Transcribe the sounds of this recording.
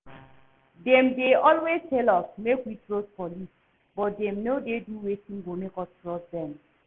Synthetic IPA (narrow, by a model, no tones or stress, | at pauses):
dɛ̃mdeɔlwestelɔsmekwitɹot̚pɔlis | bɔt̚dɛ̃mnodeduwetĩŋɡomekɔtɹɔsdɛ̃m